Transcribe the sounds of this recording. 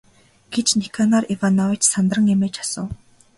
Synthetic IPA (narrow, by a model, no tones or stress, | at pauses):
ɡ̥et͡ɕnikʰanarivanɔwit͡ɕsant̪rə̆ŋemeːt͡ɕḁsə̰̆w